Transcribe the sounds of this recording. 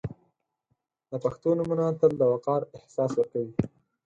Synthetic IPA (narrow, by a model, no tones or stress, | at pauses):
d̪əpaxt̪onamanɑt̪əld̪əwaqɑɾɪhsɑswəɾkawi